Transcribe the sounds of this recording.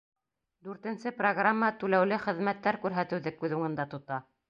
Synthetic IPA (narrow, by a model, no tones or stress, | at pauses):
d̪ʉɾt̪ɘ̆nsɘproɡramːət̪ʉlæwlɘχɘ̆ðmæt̪ːæɾkʉɾɦæt̪ɘ̆wðɘkʉðuŋɤ̆nd̪ɑt̪ŏt̪ɑ